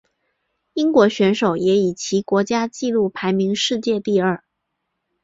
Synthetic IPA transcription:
i˥ŋkwɔ˧˥ɕɥɛ˧˥nʂo˨˩ʊjɛ˧˥i˨˩t͡ɕʰi˧˥kwɔ˧˥t͡ɕja˥t͡ɕi˥˧lu˥˩pʰa˧˥ɪmi˧˥ŋʂɻ̩˥˧t͡ɕjɛ˥˧t̪i˥˧ə˞˥˩

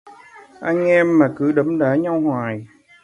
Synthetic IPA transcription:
ʔa˧jŋ̟ʔɛ˧mːaː˨˩kɨ˧˦ɗə˨˦mɗaː˧˥ɲa˧whwaː˨˩j

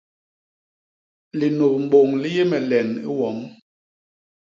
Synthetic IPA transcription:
li˨no˨p̚m̩˨bo˨ŋli˦je˦mɛ˨lɛ˨nḭ˦wɔ˨˦m

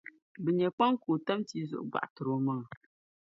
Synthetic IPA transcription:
bɨ˨ɲɛ˨k͡pa˦ŋkuː˨ta˦mti˦zʊ̰˨ʔʊ˨ɡ͡ba̰˨ʔtɨ˨ɾo˦mɨ˦ŋ˨

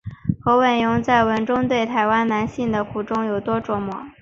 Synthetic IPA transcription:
xɤ˧˥wə˨˩njʊ˧˥ŋt͡sa˥˩ɪwə˧˥nʈ͡ʂʊ˥ŋt̪we˥˩ɪt̪ʰa˧˥ɪwa˥nna˧˥nɕi˥˩nd̪ə˩kʰu˨˩ʈ͡ʂʊ˥ŋjo˨˩ʊt̪wɔ˥ʈ͡ʂwɔ˧˩mwɔ̰˨˩˦

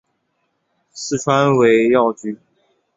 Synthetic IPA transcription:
sɹ̩˥˩ʈ͡ʂʰwa˥nwe˧˥ɪjɑ˥˩ʊt͡ɕy˧˥˦

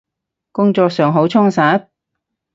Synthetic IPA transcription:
kʊ˥ŋt͡ʃɔː˧k̚sœː˨ŋɦo˨˥wt͡ʃʰʊ˥ŋsaː˨˥p̚

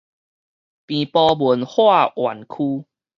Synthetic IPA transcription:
pĩ˨pɔ˧bu˨˦nhwa˥˧ʔwa̰˨˩nkʰuː˦

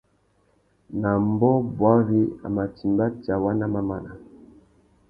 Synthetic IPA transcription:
na˨mbɔ˦bwa˦ɣi˦a̰˨ma˨ti˨mba˦ta˨wa˦na˦ma˦ma˨na˨

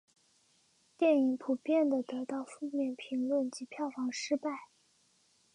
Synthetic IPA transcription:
t̪jɛ˥˩ni˧˥ŋpʰu˨˩pjɛ˥˩nd̪ə˩t̪ɤ˧˥t̪ɑ˥˧ʊfu˥˧mjɛ˥˩npʰi˧˥ŋlwə˥˩nt͡ɕi˧˥pʰjɑ˥˩ʊfɑ˧˥ŋʂɻ̩˥pa˥˩ɪ

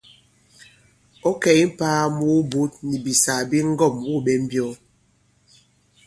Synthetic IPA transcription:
o˦kɛ˨i˦m̩˦paː˦mu˦bu˦t̚ni˨bi˨sa˨bi˦ŋ̩˦ɡɔ˦˨mwu˦˨ɓɛ˦m̩˦bjɔ˦

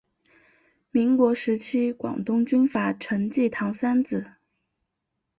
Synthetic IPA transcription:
mi˧˥ŋkwɔ˧˥ʂɻ̩˧˥t͡ɕʰi˥kwɑ̰˨˩ŋt̪ʊ˥ŋt͡ɕy˥nfa˨˩ʈ͡ʂʰɤ˧˥ŋt͡ɕi˥˩t̪ʰɑ˧˥ŋsa˥nt͡sɹ̩˨˩

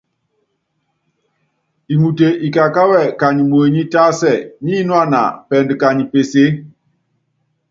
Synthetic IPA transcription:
i˨mu˨te˨i˨ka˨ka˦wɛ˦˨ka˨ɲi˨mo˨e˨ɲi˦ta˦sɛ˦˨ɲi˦nwa˦˨na̰˨pɛ˨ndka˨ɲi˨pe˨se˦

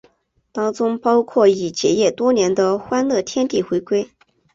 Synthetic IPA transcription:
t̪ɑ˥ŋt͡sʊ˥ŋpɑ˥ʊkʰwɔ˥˩i˨˩t͡ɕjɛ˧˩jɛ˥˩t̪wɔ˥njɛ˧˥nd̪ə˧xwa˥nlɤ˥˩t̪ʰjɛ˥nt̪i˥˩xwe˧˥ɪkwe˥ɪ

